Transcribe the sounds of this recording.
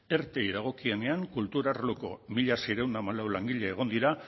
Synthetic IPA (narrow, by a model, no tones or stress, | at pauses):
e̞ɾt̪eiðaɣ̞o̞kie̞ne̞aŋkult̪uɾaɾloko̞̰miʎasejɾe̞wnd̪amalawlaŋɡiʎeeɣ̞o̞nd̪iɾa